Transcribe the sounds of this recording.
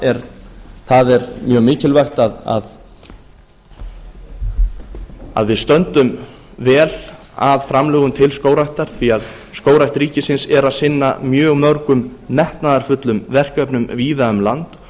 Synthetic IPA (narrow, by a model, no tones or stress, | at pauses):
ɛɾθaðɛɾmjœːɣmɪːcɪlvajxt̪aða̰ð | a̰ðvɪðst̪œnt̪ʏm | vɛːl | aðfɾamlɛːɣʏmt̪ʰɪlskoːwɾajht̪aɾ̥θiað | skoːwɾaht̪ɾiːcɪsɪnsɛɾaðsɪnːa̰mjœːɣmœɾkʏmːɛht̪naðaɾ̥fʏt̪lʏmvɛr̥kœpnʏmviːðaʏmlant̪